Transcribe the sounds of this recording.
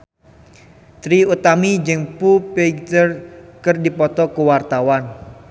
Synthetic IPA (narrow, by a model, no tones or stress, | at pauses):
t̪ɾiut̪amid͡ʒəŋpupeɡt̪ərkərdipɔt̪ɔkuwart̪awan